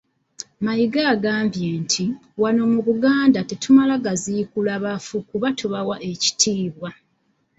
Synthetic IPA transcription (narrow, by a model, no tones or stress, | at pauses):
majiɡaːɡaːmbjeːntʰiwano̞muβuɡaːndatetumalaɡazikulaβafukuβatʰuβawaʔe̞ci̥tʰiːβwa